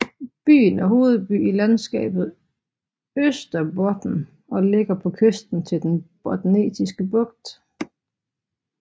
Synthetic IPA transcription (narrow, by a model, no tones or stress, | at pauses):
b̥y̰ːnæɦo̝ːð̩ˠb̥y̰ːilænsɡ̥ɛ̰ːb̥ð̞̩ˠ | øsd̥ɐbɒd̥n̩ | ɒ̽le̝ɡ̥ɐpʰɒ̽kʰøsd̥n̩t͡sʰe̝ld̥enb̥ɒd̥ne̝̰ːdisɡ̥əb̥ɔ̽ɡ̥d̥